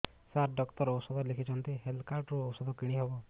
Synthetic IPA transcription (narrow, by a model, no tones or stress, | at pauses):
saɾɖɔkt̪ɔɾɔwsɔd̪ʱɔlekʰit͡ʃʰɔnt̪iɦelkaɾʈɾuowsɔd̪ʱɔkiɽ̃iɦebɔ